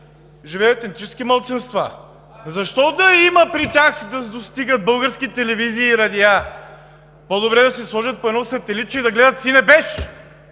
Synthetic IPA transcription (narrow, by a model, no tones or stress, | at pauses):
ʒivɛːt̪ɛnt̪it͡ʃɛskimɐlˠt̪sinst̪va̰ | zɐʃt̪ɔd̪ɐimɐpɾit̪ʲaxd̪ɐd̪ost̪iɡət̪̚bɤlˠɡəɾskit̪ɛlɛviziːɾɐd̪ia | pod̪obɾɛd̪ɐsɛslˠɔʒɐt̪̚poɛnɔsɐt̪ɛlit̪̚t͡ʃɛid̪ɐɡlɛd̪ət̪sinɛbɛsi